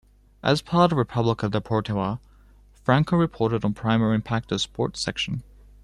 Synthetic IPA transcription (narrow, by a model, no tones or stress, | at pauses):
ʔə̰z̥pʰɑɾəvɹɨpʰʌbləkʌvðəpʰɔɹtʰɪə | fɹæ̃ŋkoɹɨpʰɔɹɾɨɾn̩pʰɹ̥ãɪ̃mɛɹiɨ̃mpʰæk̚tʌv̥spɔ̰ɹtsɛ̰kʃə̃n̩